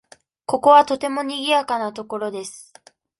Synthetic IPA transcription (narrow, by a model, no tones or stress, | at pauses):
ko̞ko̞βat̪o̞t̪e̞mo̞ɲ̟iɡʲijakanat̪o̞ko̞ɾo̞d̪e̞sɨ̥